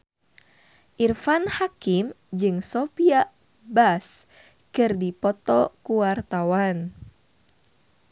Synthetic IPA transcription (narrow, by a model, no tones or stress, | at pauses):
ʔirfanhakim | d͡ʒɨŋsopia | bas | kɨrdipɔt̪ɔkuwart̪awan